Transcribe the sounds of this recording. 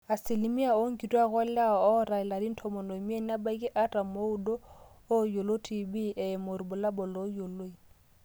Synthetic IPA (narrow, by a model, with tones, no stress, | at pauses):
a˨sɪ˨lɪ˨mi˦a˨o˦ŋ̩˦kʼi˨dwa˦ɣɔ˦lla˦ɔ˨ɔ˦ɾa˨ɛ˨la˨di˦n̩˦tʰɔ˨mɔ˨no˨mi˦a˦n˦a˦ba˦i˦kʼɪ˦ʔa˦ta˨mo˦ʊ˦do˦ | o˦jo˨lo˦tʰi˨bi˦ʔɛ˨mo˨ɾi˨bʊ˨la˦bɔ˨lo˨˦jo˨lo˦i˨